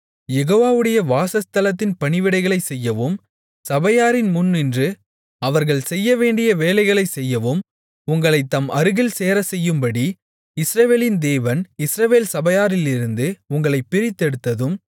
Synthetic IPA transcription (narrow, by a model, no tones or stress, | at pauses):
jɛɣoːʋaːʋɯɽɐjɐʋaːsɐst̪ɐlɐt̪̬ːɪnpɐɳɪʋɪɽɐɪɣɐɭɐɪsɛjːɐʋoːm | sɐbɐjaːɾɪnmʊnːɪndrɯ | ɐʋɐɾɣɐɭsɛjːɐʋeːɳɖɪjɐʋeːlɐɪɣɐɭɐɪsɛjːɐʋoːm | ʊŋɡɐɭɐɪt̪ːɐmʔɐɾɯɣɪlseːɾɐsɛjːɯmbɐɽi | ɪsɾɐʋeːlɪnd̪eːʋɐnɪsɾɐʋeːlsɐbɐjaːɾɪlɪɾɯnd̪ɯʊŋɡɐɭɐɪpːɪɾɪt̪ːɛɽɯt̪ːɐðɯm